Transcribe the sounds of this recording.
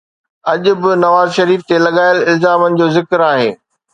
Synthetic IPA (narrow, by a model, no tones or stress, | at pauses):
ɐʄʊ̆bɪnɐʋaːzʃɐɾiːft̪elɐɠaːɪlɪlzaːmənɪ̆d͡ʑoːzɪkɾaːɦḛː